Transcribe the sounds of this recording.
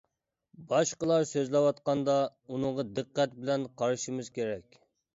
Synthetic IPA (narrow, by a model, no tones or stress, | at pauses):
bɑʃqəlˠɑɾsøzlɛwɑt̪̚qɑnd̪ɑunɨŋʁɑd̪ɨqːæt̪̚bɪlɛnqʰɑɾɨʃimɨzkʲeɾɛkʲ